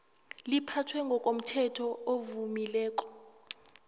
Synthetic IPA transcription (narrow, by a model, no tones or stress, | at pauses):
lipʰatʰwɛŋɡʱɔkʼom̩tʰɛtʰɔovumilɛːk̬ʼɔ̥